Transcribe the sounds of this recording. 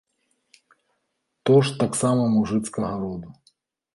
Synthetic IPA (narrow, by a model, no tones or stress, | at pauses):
t̪ɔʂt̪aksamɐmuʐɨt̪skɐɣɐɾɔd̪u